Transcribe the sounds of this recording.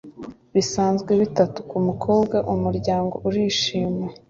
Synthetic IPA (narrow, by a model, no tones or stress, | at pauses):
βisaːnzɡwe̞βitatu̥kumukʰo̞ːbɡaʔumuɾɟaːŋɡo̞̰ʔuɾiːʃiːmwe̞